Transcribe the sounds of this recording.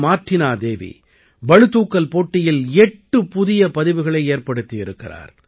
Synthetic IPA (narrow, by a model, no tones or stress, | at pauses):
maːʈrɪnaːd̪eːʋḭ | bɐɻɯt̪uːkːɐlpoːʈːɪjɪlɛʈːɯpʊðɪjɐpɐðɪʋɯɣɐɭɐɪeːrpɐɽɯt̪ːɪjɪɾɯkːɪ̰ra̰ːɾ